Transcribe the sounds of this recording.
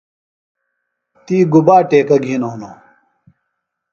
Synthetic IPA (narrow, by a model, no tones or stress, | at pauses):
t̪iːɡubaːʈeːkɐɡʱiːnoɦno